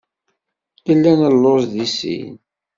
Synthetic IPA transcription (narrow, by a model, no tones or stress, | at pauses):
əlːænəlːozðisḭn